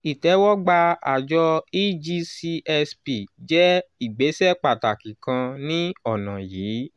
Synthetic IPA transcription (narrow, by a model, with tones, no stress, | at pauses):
i˨tɛ˨˦wɔ˦ɡ͡ba˧a̰˨d͡ʒɔ˧i˦d͡ʒi˧˦si˧ʔɛ˧spi˨d͡ʒɛ˦i˦˨ɡ͡be˨˦sɛ˦k͡pa˨ta˨kĩ˨kã˧nĩ˦ɔ˦˨nã˨jiː˨˦